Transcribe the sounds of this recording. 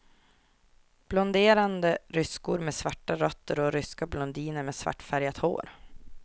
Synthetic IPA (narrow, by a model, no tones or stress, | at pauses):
b̥lɔnd̪eːɾand̪əɾʏskʊɾmeːsvaʈːaɾɔt̪ːəɾɔɾʏskablɔnd̪iːnəɾmeːsva̰ʈːfæɾjat̪ho̰ːɾ